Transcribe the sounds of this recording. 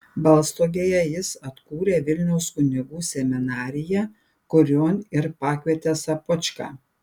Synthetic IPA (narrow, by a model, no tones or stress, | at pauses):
bɐlˠst̪oːɡʲeːjɛjɪsɐt̪kuːɾʲeːʋʲɪlʲnʲɛʊskʊnʲɪɡuːsʲɛmʲɪnɑːɾʲɪjɛ | kʊɾʲoːnɪɾpɑːkʲʋʲiɛt̪ʲeːsɐpʊt͡ʃʲkɑ̰ː